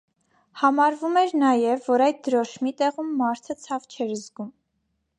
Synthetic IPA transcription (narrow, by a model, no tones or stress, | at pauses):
hɑmɑɾvumɛɾnɑjɛvːɔɾɑjd̪̚d̪əɾɔʃmit̪ɛʁumːɑɾt̪ʰət͡sʰɑvt͡ʃʰɛɾəzɡum